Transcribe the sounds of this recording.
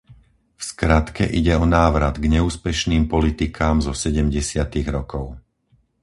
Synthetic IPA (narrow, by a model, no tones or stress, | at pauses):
fskɾat̪kɛ̰ʔiɟɛɔnaːʋɾad̪ɡɲɛuːspɛʃniːmpɔlit̪ikʰaːmzɔsɛɟɛmɟɛsɪat̪iɣɾɔkɔʊ